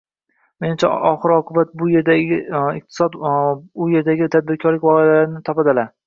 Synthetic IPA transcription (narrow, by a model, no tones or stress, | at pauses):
me̞nɪmt͡ʃʰaɒχɨɾɒqʰʊbat̪̚bʊje̞ɾd̪aɡʲɪɪq̚t̪ʰɪ̥sɒd̪ʊje̞ɾd̪aɡʲɪt̪ʰad̪̚bɪɾkʰɒɾlɪkʲvɒqejalaɾɪnɪt̪ʰɒpad̪ɪla